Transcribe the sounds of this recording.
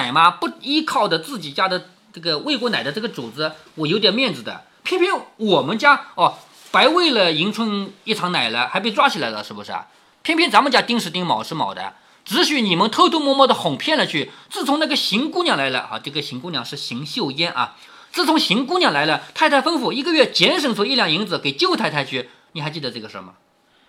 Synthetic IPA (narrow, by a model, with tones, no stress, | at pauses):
a˨˩ɪma˧pu˥˧i˥kʰɑ˥˩ʊd̪ə˩t͡sɹ̩˥˩t͡ɕi˨˩t͡ɕja˥d̪ə˨ | nə˥˩ɡə˩we˥˩ɪkwɔ˧˥na˨˩ɪd̪ə˦ʈ͡ʂɤ˥˩ɡə˩t͡su˨˩t͡sɹ̩˧˥ | wɔ˨˩jo˧˥ʊt̪jɛ˨˩nmjɛ˥˩nd͡zɹ̩˩d̪ə̰˩˦ | pʰjɛ˥npʰjɛ˥nwɔ˨˩mə˧˥nt͡ɕja˥ɔ˥˧˩ | pa˧˥ɪwe˥˩ɪlə˩i˧˥ŋʈ͡ʂʰwə˥ni˥˩ʈ͡ʂʰɑ˧˥ŋna˨˩ɪlə˦xa˧˥pe˥˩ɪʈ͡ʂwa˥t͡ɕʰi˨˩la˧˥ɪlə̰˧ʂɻ̩˥bu˨˩ʂɻ̩̰˥˩ | pʰjɛ˥˧npʰjɛ˥˩nt͡sa˧˥nmə˧t͡ɕja˥t̪i˥ŋʂɻ̩˥˩t̪i˥˩ŋmɑ̰˨˩ʊʂɻ̩˥˩mɑ̰˨˩ʊd̪ə̰˦ | ʈ͡ʂɻ̩˧˥ɕy˧˥ni˨˩mə˧˥nt̪ʰɤ˥˧t̪ʰu˥mwɔ˥˧mɔ˥˩d̪ə˩xʊ˨˩ŋpʰjɛ˥˩˧nlə˩t͡ɕʰy˥˩t͡sɹ̩˥˩t͡sʰʊ˧˥ŋna˥˩ɡə˩ɕi˧˥ŋku˥njɑ˥˩ŋla˧˥ɪlə̰˧ɐ̰˧˩ʈ͡ʂɤ˥˩ɡə˩ɕi˧˥ŋkʊ˥nljɑ̰˧˦ŋʂɻ̩˥˩ɕi˧˥ŋɕjo˥˧ʊjɛ˥nʔɐ̰˧˩ | t͡sɹ̩˥˩t͡sʰʊ˧˥ŋɕi˧˥ŋku˥njɑ˧˩ŋla˧˥ɪlə˧t̪ʰa˥˧ɪa˥˩ɪfə˥ŋfu˥˩i˧˥ɡə˧ɥɛ˥˩t͡ɕjɛ˧˥nʂ̬ɤ˨˩ŋt͡sʰʊ˧˥i˥˧ljɑ˥˩ŋi˧˥ŋd͡zɹ̩˧˩ke˨˩ɪt͡ɕjo˥˧ʊt̪ʰa˥˧t̪ʰa˥˧ɪt͡ɕʰy˥˩ | ni˨˩xa˧˥ɪt͡ɕi˥˩d̪ə˩ʈ͡ʂɤ˥˩ɡə˩ʂɔ̰˧˥˩mɐ̰˩